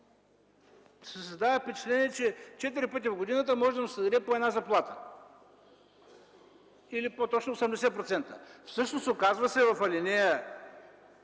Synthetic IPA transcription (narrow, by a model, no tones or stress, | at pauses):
ses̬əzd̪avəfpɛt͡ʃɛ̥t̪lʲɛniɛt͡ʃɛt͡ʃɛt̪̬iɾipət̪̬ʲivɡoʊd̪inət̪̬əmɔʒɛd̪ɐmsɛd̪ɐɾɛpoɛd̪nazɐplˠat̪ə̥ | ilipot̪ɔt͡ʃnosɛmd̪ɛsɛpɾot̪sɛnt̪ə̰fsɤʃnosokazvɐsɛvɐfɐlʲinɛjə